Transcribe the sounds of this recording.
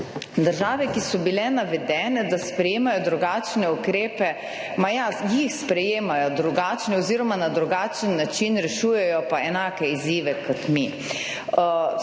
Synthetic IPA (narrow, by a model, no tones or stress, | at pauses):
d̪əɾʒaːʋɛkisɔbilɛnaʋɛd̪ɛːnɛd̪aspɾɛjeːmajɔd̪ɾuɡaːt͡ʃnɛukɾeːpɛ | majajixspɾɛjeːmajɔd̪ɾuɡaːt͡ʃnɛɔziːɾɔmanad̪ɾuɡaːt͡ʃənːat͡ʃinɾɛʃuːjɛjɔpaɛnaːkɛiziːʋɛkɔt̪mi